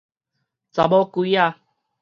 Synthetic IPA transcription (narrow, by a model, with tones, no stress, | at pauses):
t͡sa˨bɔ˦ku˧˦i˦a˦˨